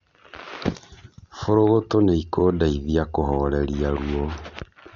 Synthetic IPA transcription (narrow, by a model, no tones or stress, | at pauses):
foɾoɣotoneikodaiðiakoɦɔɾeɾiaɾwɔ